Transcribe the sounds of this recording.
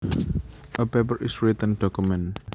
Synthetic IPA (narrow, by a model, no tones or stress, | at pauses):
ʔəpep̬əɾʔɪsɹit̪ə̃nɖ̥ɔkumɛ̃n